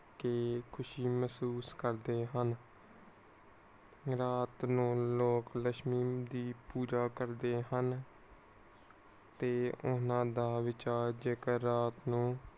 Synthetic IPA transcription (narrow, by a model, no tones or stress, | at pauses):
keːkʰʊʃiːməsuːskəɾd̪eːɦən | ɾaːt̪nũːloːkləʃmiːmd̪iːpuːd͡ʒaːkəɾd̪eːɦən | t̪eːʊnãːd̪aːʋɪt͡ʃaːɾd͡ʒeːkəːaːt̪nũː